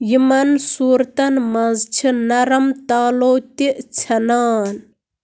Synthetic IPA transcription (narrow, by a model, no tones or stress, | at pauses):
jimɐnsuːɾt̪ɐnmɐzt͡ʃʰinɐɾɐmt̪aːloːt̪iʔt͡sʰɐnaːn